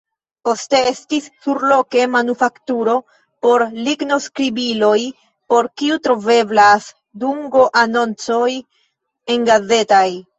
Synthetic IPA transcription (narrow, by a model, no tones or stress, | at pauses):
po̞ste̞e̞stisːuɾlo̞ke̞manufaktuɾo̞ | po̞ɾliɡno̞skɾibilo̞j | po̞ɾkiutɾo̞ve̞blas | duŋɡo̞ʔano̞nt͡so̞j | e̞ŋɡaze̞taj